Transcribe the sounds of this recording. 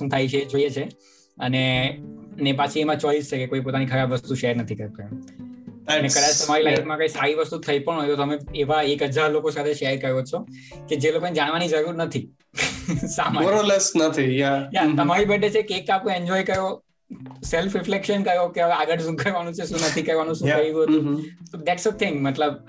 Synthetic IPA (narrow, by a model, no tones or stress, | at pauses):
ʃũt̪ʰajt͡ʃʰed͡ʒoiet͡ʃʰe | əne | nepat͡ʃʰiemãt͡ʃɔist͡ʃʰekekoipot̪anikʰəɾabʋəst̪uʃɛɾnət̪ʰikəɾt̪a | ənekəd̪at͡ʃt̪əmaɾilaikmãkaisaɾiʋəst̪ut̪ʰəipəɳɦojt̪ot̪əmẽeʋaekəd͡ʒaɾlokosat̪ʰeʃɛɾkəjot͡ʃʰo | ked͡ʒelokonẽd͡ʒaɽ̃ʋañizəɾuɾnət̪ʰi | samamoɾɔlesnət̪ʰijajat̪ɐmaɾibəɖʱet͡ʃʰekeːk̪̚ːapẽeɲd͡ʒɔikəjo | sɛlfɾɪflekʃənkəjokeɦəʋeaɡəʈsũkʰəɾʋañũt͡ʃʰesũnət̪ʰikəɾʋañũsũkəiʋũɦəũt̪od̪ɛʈsət̪ʰɪ̃ŋɡmət̪ləb